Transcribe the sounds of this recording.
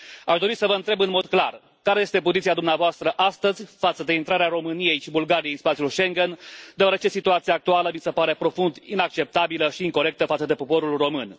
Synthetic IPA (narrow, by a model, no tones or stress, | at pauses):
aʃd̪o̞ɾisəvəɨnt̪ɾe̞bɨnmo̞d̪kla̰r | kaɾe̞je̞st̪e̞po̞zit̪siad̪umneavoast̪ɾəʔast̪əzʲfat̪səd̪e̞int̪ɾaɾeaɾo̞mɨnije̞jʃibulɡaɾijejinspat̪siulʃe̞ŋɡend̪eaɾet͡ʃe̞sit̪uat̪siaːk̚t̪ualəmisepaɾe̞pɾo̞fund̪inak̚t͡ʃe̞p̚t̪abiləʃiːŋko̞ɾe̞k̚t̪əfat̪səd̪e̞po̞po̞ɾulro̞mɨn